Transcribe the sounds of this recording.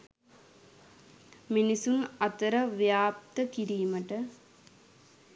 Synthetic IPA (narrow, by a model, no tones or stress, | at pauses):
minisunɐt̪ɐɾɐʋjaːp̚t̪əkiɾiːmɐʈə